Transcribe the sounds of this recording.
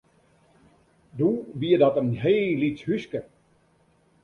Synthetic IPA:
duʋiədɔtənɦeːlit͡shyskə

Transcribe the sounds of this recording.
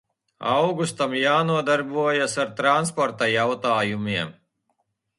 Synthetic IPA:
a̰wɡust̪amjaːnuɔd̪aɾbuɔjasaɾt̪ɾanspɔɾt̪ajawt̪aːjumiɛm

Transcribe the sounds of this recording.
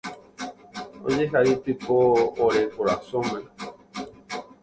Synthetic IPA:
õ̰ɲẽɦait̪ɨpoːɾekoɾasõmẽ

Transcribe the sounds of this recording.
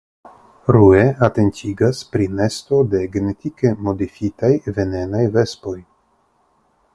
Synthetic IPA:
ɾue̞ate̞ntʰiɡaspɾine̞sto̞de̞ɡe̞ne̞tike̞mo̞difitajve̞ne̞najve̞spo̞j

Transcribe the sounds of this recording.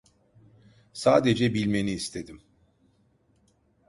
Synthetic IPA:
saːd̪ed͡ʒɛbilʲme̞niːst̪ʰe̞d̪im

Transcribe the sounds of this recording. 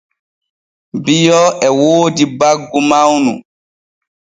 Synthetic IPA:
bijɔɛwoːdibaɡːumawnṵ

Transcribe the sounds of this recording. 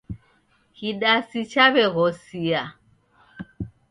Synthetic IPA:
kiɗasit͡ʃaβɛɣɔsia

